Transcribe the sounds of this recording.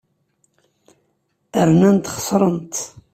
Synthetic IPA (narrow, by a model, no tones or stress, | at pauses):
əɾnænt̪χə̥sˤɾˤənt̪